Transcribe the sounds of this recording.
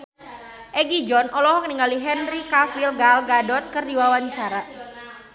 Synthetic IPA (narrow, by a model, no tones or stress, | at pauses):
ʔɛɡid͡ʒɔnʔɔlɔɦɔkəniŋaliɦɛnrikafilɡalɡadɔt̪̚kərdiwawaɲt͡ʃaɾa